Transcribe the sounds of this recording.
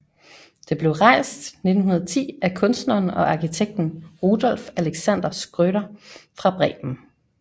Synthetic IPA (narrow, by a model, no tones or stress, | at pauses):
d̥e̝b̥le̝ʊʁɑ̈ɪ̰sd̥ne̝d̥n̩ɦunɐð̩ˠt͡sʰḭːækʰɔ̽nsd̥nɐːnɒ̽ʔɑ̈kit͡sʰeɡ̥̚d̥n̩ʁud̥ɒ̽l̰fæleɡ̥sæn̰d̥ɐsɡ̥ʁøɾɐfʁɑ̈b̥ʁɛ̰ːb̥m̩